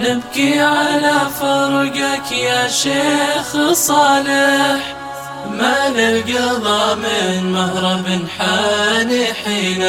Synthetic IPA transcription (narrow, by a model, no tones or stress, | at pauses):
nɪbkiʕalafɑɾˤɡakjaʃeːxsˤɑːlɪħ | manɪbɡiðˤɑmɪnmahɾˤɑbɪnħaːniħiːna